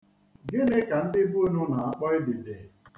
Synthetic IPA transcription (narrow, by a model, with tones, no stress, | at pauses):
ɡɪ˦nɪ˦ka˨n̩˦dɪ˦bu˦e˦nʊ˦na˨a˦k͡pɔ˦ɪ˦bi˨de˨